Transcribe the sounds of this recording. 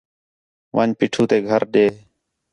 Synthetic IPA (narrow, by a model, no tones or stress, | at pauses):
ʋʔaːnpiːʈʰuːt̪eːɡʱəɾɗeː